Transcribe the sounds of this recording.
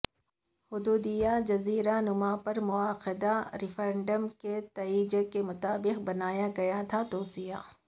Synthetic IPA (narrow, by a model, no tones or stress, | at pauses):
hʊd̪uːd̪ijad͡ʒɐziːɾanʊmapɐɾmʊaːqɪd̪aɾɪfɾɛ̃ɳɖəmket̪ɐiːd͡ʒekemʊt̪aːbɪqbɐnaːjaɡɐjat̪ʰat̪oːsija̰ː